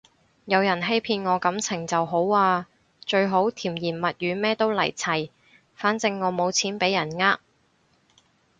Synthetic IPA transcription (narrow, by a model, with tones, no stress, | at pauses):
jɐ˨˧wjɐ˨˩nɦe˥jpʰiː˧nŋɔː˨˧kɐ˨˥mt͡sʰɪ˨˩ŋt͡sɐ˨wɦo˨˥waː˧ | t͡ʃɵ˧ɥɦo˨˥wt̪ʰiː˨˩mjiː˨˩nmɐ˨t̚jyː˨˧mɛː˥t̪o˥wlɐ̰˨˩jt͡sʰɐ˨˩j | faː˨˥nt͡sɪ˧ŋːɔː˨˧mo˨˧wt͡sʰiː˨˥npe˨˥jːɐ˨˩nŋaː˥k̚